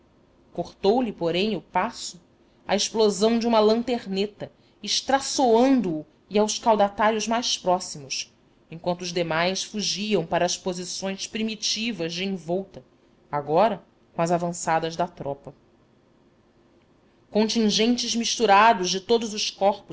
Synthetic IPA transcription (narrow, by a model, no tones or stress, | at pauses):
koχt̪owlɪpoɾẽj̃ʊpasʊ | ɐ̰eʃplozɐ̃w̃d͡ʒɪũmɐlɐ̃nt̪eɾnet̪ɐ | ɪʃt̪ɾasoɐ̃nd̪ʊː | iawskawd̪at̪aɾjʊzmajspɾɔsimʊs | ẽkwɐ̃nt̪ʊːzd̪emajsfuʒiɐ̃w̃paɾɐːspozisõj̃spɾimit͡ʃivɐzd͡ʒɪẽvɔwt̪ɐ | aɡɔɾɐ | kõɐzavɐ̃sad̪ɐzd̪ɐt̪ɾɔpɐ | kõnt͡ʃĩŋʒẽnt͡ʃɪzmiʃt̪uɾad̪ʊzd͡ʒɪt̪od̪ʊzʊʃkɔχpʊ